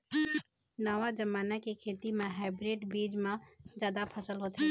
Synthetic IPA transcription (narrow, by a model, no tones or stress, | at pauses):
nəʋad͡ʒəmaːnakekʰet̪imẽɦaɪbɾeɖbiːd͡ʒmed͡ʒjaːd̪apʰəsəlɦot̪i